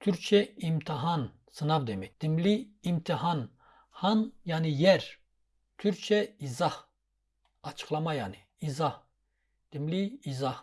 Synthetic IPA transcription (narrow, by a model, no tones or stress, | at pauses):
t̪ʰyɾt͡ʃʰɛimt̪ʰiɦan | sɨnabd̪ɛmɛcd̪̥imliːmt̪ʰiɦan | hanjanijɛɾ | t̪ʰyɾt͡ʃʰɛizah | ɑt͡ʃʰɯ̥χlˠamajaniːzah | d̪̥imliːzah